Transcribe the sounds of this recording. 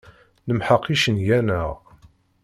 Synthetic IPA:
nəmħəqʰːiʃənʝænəʁ

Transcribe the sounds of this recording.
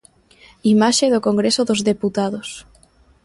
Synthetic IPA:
imaʃeðokoŋɡɾesoðozðeput̪aðos

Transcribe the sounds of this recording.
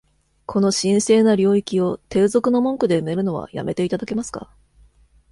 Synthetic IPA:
kʰo̞no̞ɕĩɰ̃se̞ːnaɾʲo̞ːikʲio̞t̪e̞ːzo̞kɯ̟no̞mõ̞ŋkɯ̟d̪e̞me̞ɾɯ̟no̞β̞a̰ja̰mʔe̞t̪e̞it̪ad̪ake̞masɨ̥ka̰

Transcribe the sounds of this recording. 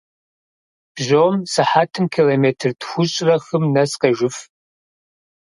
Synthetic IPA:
b̥ʑomsɨħaːtʰɨmkʰiloːmeːtʰɨrtxʷʊɕʼrɐxɨmnɐsqɐʒɪf

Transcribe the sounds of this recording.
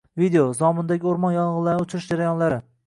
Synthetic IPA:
vid̪eozɒmɪnd̪aɡʲɪoɾmɒnjɒnʁɨzˠlaɾnɪʊt͡ʃʰɪɾɪʃd͡ʒaɾajɒnlaɾɪ

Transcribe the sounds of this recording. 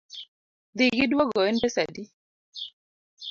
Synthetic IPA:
ðiɡidwɔɡɔɛndɛsadi

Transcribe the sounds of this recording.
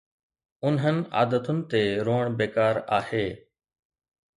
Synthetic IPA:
ʊnɦənɪ̆a̰ːd̪ət̪ʊnɪ̆t̪eɾoːəɽ̃beːkaːɾaːheː

